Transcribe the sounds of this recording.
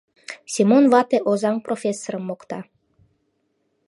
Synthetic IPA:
sʲimonvɑt̪eʔozɑŋprofʲesːoɾəmːokt̪ɑ

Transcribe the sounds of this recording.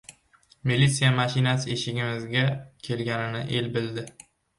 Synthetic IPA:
milit̪sijamaʃɪnasɪeʃɪɡʲɪmɪzɡʲakʲʰe̞lɡʲanɪnɪʔe̞lbɪld̪ɪ

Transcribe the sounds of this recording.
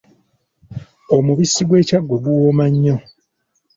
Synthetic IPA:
omuβisːiɡwe̞ːcaɡːoɡuwomaɲːo

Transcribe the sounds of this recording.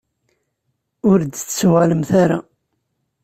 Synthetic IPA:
ʊɾd̪t͡st͡sːuʁaləmθaɾa̰

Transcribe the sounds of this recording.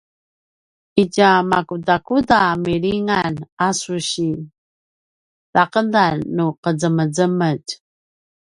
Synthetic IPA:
iɟamakudakudamiɾiŋanasuɕi | taqədanːuqəd͡zəməd͡zəməɟ

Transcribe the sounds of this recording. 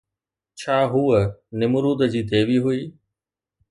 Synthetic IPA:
t͡ɕʰaːɦuːənɪmʊɾuːd̪əd͡ʑiːt̪eːʋiːɦʊiː

